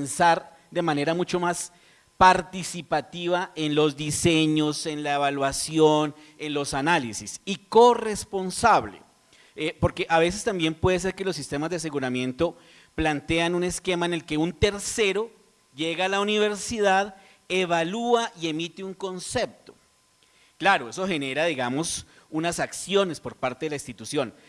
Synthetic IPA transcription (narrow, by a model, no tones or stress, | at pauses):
nsaɾ | d̪e̞mane̞ɾamut͡ʃo̞mas | paɾt̪isipat̪iβaʔenlo̞zd̪ise̞ɲo̞se̞nlaeβalwasjo̞n | e̞nlo̞sanalisisiko̞re̞spo̞nsaβlḛ | epo̞ɾke̞ʔaβe̞s̬e̞st̪ambje̞mpwe̞ðes̬e̞ɾke̞lo̞sːist̪e̞mazd̪eas̬e̞ɣuɾamje̞nt̪o̞ | plant̪e̞anune̞ske̞maenelke̞unt̪e̞ɾse̞ɾo̞ | ʝe̞ɣaːlauniβ̞e̞ɾsiðað | e̞βaluaʔie̞mit̪euŋko̞nse̞p̚t̪o̞̥ | klaɾoe̞so̞he̞ne̞ɾaðiɣamo̞s | unasaksjo̞ne̞spo̞ɾpaɾt̪eðelainst̪it̪usjo̞n